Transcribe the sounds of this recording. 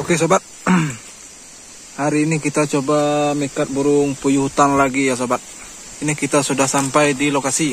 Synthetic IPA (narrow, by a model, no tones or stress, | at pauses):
okes̬obat̪̚ | haɾiːnikit̪at͡ʃobamikat̪̚buɾʊŋpujuɦut̪anlaɡijas̬obat̪̚ | inikit̪asudahsampajdilokasi